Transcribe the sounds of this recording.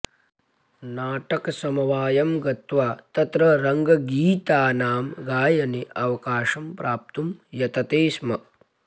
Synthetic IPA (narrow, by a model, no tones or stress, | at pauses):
naːʈɐkɐsɐmɐʋaːjɐmɡɐt̪ʋaːt̪ɐt̪ɾɐɾɐŋɡɐɡiːt̪aːnaːmɡaːjɐneʔɐʋɐkaːʃɐmpɾʔaːp̚t̪umjɐt̪ɐt̪eːsmɐ